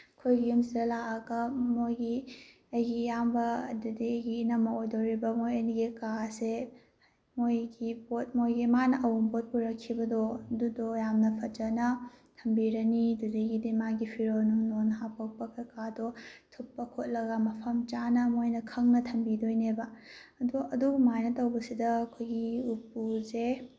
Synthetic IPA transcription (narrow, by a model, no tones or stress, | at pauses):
kʰojɡijumsiɾɐlaɐɡɐmojɡi | ɐjɡijambɐɐdudiɐjɡiːnɐmɐojdowɾibɐmojɐniɡikase | mojɡibot̚mojɡimanɐʔɐwumbot̚puɾɐkʰːibɐdodudojamnɐpʰɐd͡ʒɐnɐtʰɐmbiɾɐnidudeɡidimaɡipʰiɾonuŋnonɦapɐk̚pɐkekadotʰupːɐkʰot̚lɐɡamɐpʰɐmt͡ʃanɐmojnɐkʰɐŋnɐtʰɐmbidojnebɐɐduɐdubumajnɐtɐwbɐsidɐːkʰojɡiupːuze